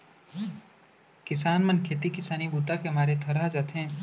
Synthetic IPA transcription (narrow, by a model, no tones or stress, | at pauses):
kɪsaːnmɐnkʰeːt̪̬ikɪsaːnibuːt̪akemaːɾet̪ʰɐɾad͡ʒaːt̪ɦɛ̃ː